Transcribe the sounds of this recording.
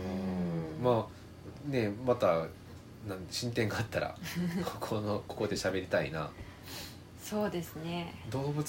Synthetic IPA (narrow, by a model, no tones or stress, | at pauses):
ɯ̃maː | ne̞mat̪a | nãɕĩnt̪ẽ̞ŋɡaːt̪ːaɾa̰kʰokʰonoko̞ko̞d̪e̞ɕabe̞ɾʲit̪aḭna̰ | soːd̪e̞sɨned̪o̞ːbɯ̟